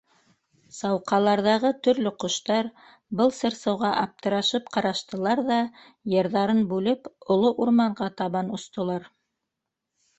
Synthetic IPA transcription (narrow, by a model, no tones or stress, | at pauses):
sɑwqɑlˠɑɾðɑʁɤt̪ɵ̆ɾlɵqŏʃt̪ɑɾ | bɤlˠsɤ̆ɾsɤ̆wʁɑʔɑp̚t̪ɤ̆ɾɑʃɤpqɑɾɑʃt̪ɤ̆lˠɑɾðɑ | jɤ̆ɾðɑɾɤnbʉlɘpŏlˠoʔuɾmɑɴʁɑt̪ɑβɑnŏst̪ŏlˠɑɾ